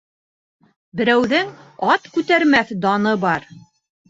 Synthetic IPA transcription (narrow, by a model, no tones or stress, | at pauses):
bɘ̆ɾæwðɘŋɑt̪kʉt̪æɾmæθd̪ɑnɤbɑɾ